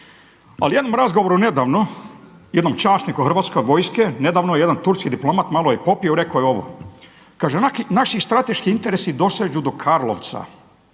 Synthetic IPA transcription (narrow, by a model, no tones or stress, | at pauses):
alijed̪nomɾazɡoʋoɾune̞d̪aːʋno | jed̪nomt͡ʃaːsnikuɦr̩ʋat̪sko̞jʋo̞jskene̞d̪aːʋnojeed̪ant̪uɾskid̪iplo̞mat̪malˠojepo̞pioɾe̞kojeo̞ʋo̰ | kaːʒenaʃist̪ɾat̪e̞ʃkiint̪e̞ɾesid̪o̞sed͡ʑud̪o̞kʰaːɾlˠo̰ʋt̪sa̰